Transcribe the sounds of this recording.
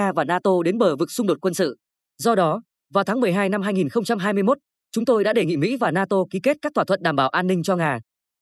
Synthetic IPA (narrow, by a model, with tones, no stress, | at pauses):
aː˧vaː˨˩naː˧t̪o˧ɗe˨˦nɓəː˨˩vɨ˨˩k̚sʊ˧ŋ͡mɗo˨˩t̚kwə˧nsɨ̰˧˨ | zɔ˧ɗɔ˨˦ | vaː˨˩wt̪ʰaː˨˦ŋmɨ˨˩əjɦaː˧jna˧mhɦaː˧jŋi˨˩nxə˧wŋ͡mt͡ɕa˧mɦaː˧jmɨ˧jmo˦˥t̚ | t͡ɕʊ˨˦ŋ͡mt̪o˧jɗa̰ː˧˥ɗe˨˧˩ŋḭ˧˨mḭ˧˥vaː˨˩naː˧t̪o˧ki˨˦ke˦˥t̚kaː˦˥k̚t̪ʰwa˧˩wə˧˨nɗaː˧˩mɓaː˧˩wʔaː˧nːï˧ŋ̟t͡ɕɔ˧ŋaː˨˩